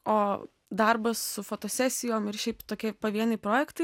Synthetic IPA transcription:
oː | d̪ɐɾbɐsːʊfoːt̪oːsʲɛsʲɪjoːmɪrʃʲɛɪpt̪oːkʲiɛpɐʋʲiɛnɐɪpɾoːjɛkt̪ɐɪ

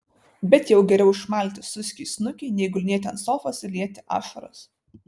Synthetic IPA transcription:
bʲɛt̪jɛʊɡʲɛɾʲɛʊɪʃmɑˑlʲt̪ʲɪsʊsʲkʲisnʊkʲɛɪnʲɛɪɡʊlʲnʲiɛt̪ʲɛnsoːfosʲɪlʲiɛt̪ʲɪʔɑ̰ːʃɐɾɐ̰s

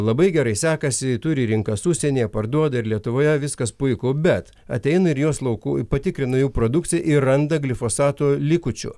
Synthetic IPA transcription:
lˠɐbɐɪɡʲɛɾɐɪsʲæːkɐsʲɪt̪ʊɾʲɪɾʲɪŋkɐsusʲɛnʲijɛpɐɾd̪uɔd̪ɐɪɾlʲiɛt̪ʊʋoːjɛʋʲɪskɐspʊɪkʊbʲɛt̪ | ɐ̰t̪ʲɛɪnɐɪɾjuɔslˠɐʊkuːpɐt̪ʲɪkɾʲɪnʊjuːpɾoːd̪ʊk̚t̪t͡ssʲɪjɛʔɪrrɐnd̪ɐɡlʲɪfoːsɑːt̪oːlʲɪːkʊt͡ʃʲʊ̰

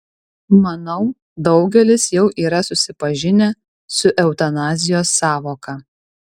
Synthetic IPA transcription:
mɐnɐʊ | d̪ɒʊɡʲɛlʲɪsjɛʊʔiːɾɐsʊsʲɪpɐʒʲɪnʲɛ | sʊʔɛʊt̪ɐnɑːzʲɪjoːsːɑːʋoːkɑ

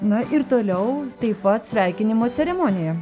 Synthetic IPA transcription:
nɐʔɪɾt̪oːlʲɛʊt̪ɐɪpɐt̪sʲʋʲɛɪkʲɪnʲɪmoːt͡s̪ʲɛɾʲɛmoːnʲɪjɛ

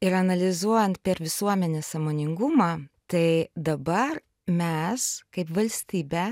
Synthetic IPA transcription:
ɪɾɐnɐlʲɪzuɔjɛnt̪̚pʲɛɾʋʲɪsuɔmʲɛnʲeːssɐːmoːnʲɪŋɡʊmɑːt̪ɐɪd̪ɐbɐr | mʲɛskɐɪpʋɐlʲsʲt̪ʲiːbʲæː

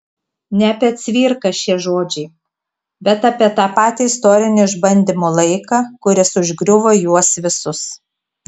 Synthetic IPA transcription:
nʲɛɐpʲɛɐt̪ʲsʲʋʲiːɾkɐʃʲiɛʒoːd͡ʒʲɛɪ | bʲɛt̪ɑpʲiɛt̪ɑːpɑːt̪ʲiɪst̪oːɾʲɪnʲʊɪʒbɐnʲd̪ʲɪmolˠɐɪkɑːkʊɾʲɪsʊʒʲɡɾʲʊʋoːjuɔsʋʲɪsʊs

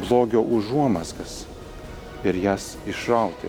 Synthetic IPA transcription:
blˠoːɡʲoːʔʊʒuɔmɐskɐs | ɪɾjæːs | ɪʃɾɐʊt̪ʲḛ

